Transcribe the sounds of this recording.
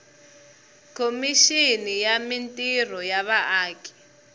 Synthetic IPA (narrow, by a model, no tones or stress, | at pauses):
kʰomiʃinijamintʼir̤ɔjaβaʔaːkʰʼɛ̥